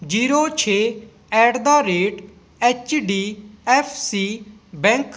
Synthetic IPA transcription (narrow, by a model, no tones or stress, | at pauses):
d͡ʒiːɾoːt͡ʃʰeː | ɛːʈd̪aːɾeːʈ | ɛːt͡ʃɖiːɛpʰsiː | bɛ̃ŋk